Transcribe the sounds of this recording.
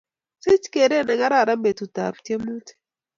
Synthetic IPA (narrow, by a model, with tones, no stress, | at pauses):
sɪ˦t͡ʃke˨ɾe˦˨nɛ˨ŋa˦ɾa˦˨ɾa˦mbe˨tu˨ta̰˨ptje˦mu˦t